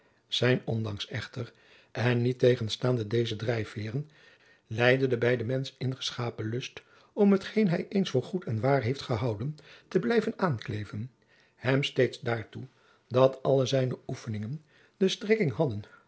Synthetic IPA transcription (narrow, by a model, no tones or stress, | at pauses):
z̥ɛjnɔndɑŋsɛχtər | ʔɛnːitejχənstaːndədejzədrɛjfɪːrən | lɛjdəndəbɛjdəmɛnsəɪnχə̥sχaːpəlɵst | ɔmɦətχejnɦɛjʔejnsfʊːɹχutɛnʋaːɹɦejftχəɦɑwdəntəblɛjvənaːnklejvən | hɛmstejtzdaːɹtu | dɑtʰɑləzɛjnəufənɪŋən | dəstrɪkɪŋɦɑdən